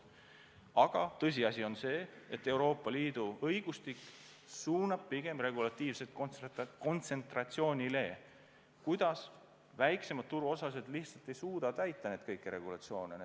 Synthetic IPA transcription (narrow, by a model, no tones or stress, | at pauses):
ɑɡ̥ɑt̪ɤs̬ʲiɑsʲio̞nse̞ːe̞t̪ːˑe̞wɾo̞ːpːˑɑliːd̪̥uɤjɡ̥ust̪ikː | suːnɑb̥̚piɡ̥e̞mre̞ɡ̥ulɑt̪ːiːvset̪ko̞nt̪se̞nt̪rɑt̪sio̞ːnʲile̞ | kujd̪̥ɑs | væjkse̞mɑd̪̚t̪ːuɾuo̞sɑs̬e̞d̪̥liht̪sɑlt̪ːˑe̞jsuːd̪̥ɑt̪æjt̪ˑːɑne̞d̪̥̚kɤjkːˑeɾe̞ɡ̥ulɑ̰t̪sio̞ːnene